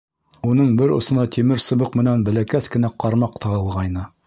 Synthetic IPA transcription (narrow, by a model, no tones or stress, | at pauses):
unɤɴbɘɾŏ̰sɤ̆nɑt̪ʲʰimɘɾsɤ̆bɤqmɘ̆nænbæ̆lækæskɘ̆næqɑɾmɑqt̪ʰɑɤ̆lˠʁɑjnɤ